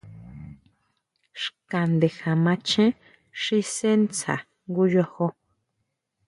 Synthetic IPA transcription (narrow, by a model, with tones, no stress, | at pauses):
ʃkã˨nd̪e˨xa˨mã˧t͡ʃʰẽ˦ | ʂi˧se˦nt͡sa̰˨ | ŋɡu˧jo˧ho˧